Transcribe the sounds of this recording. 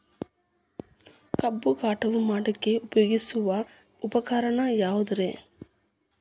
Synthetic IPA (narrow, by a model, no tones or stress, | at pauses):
kɐbːukaːʈɐʋumaːɽɐkːeupɐjoːɡisuʋɐ | upɐkaːɾɐɳɐjaːʋud̪uɾeː